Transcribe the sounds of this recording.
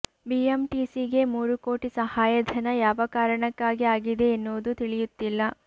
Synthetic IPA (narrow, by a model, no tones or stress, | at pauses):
biemʈisiɡe̞muːɾuko̞ːʈisɐhaːjɐd̪ʱɐnɐjaːʋɐkaːɾɐɳɐkːaːɡiaːɡid̪e̞ːnːoːd̪ut̪iɭijut̪ːilːɐ